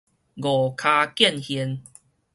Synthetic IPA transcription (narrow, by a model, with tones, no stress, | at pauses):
ɡo˨˩kʰa˧kjɛ˥˧˨nhi˧˦n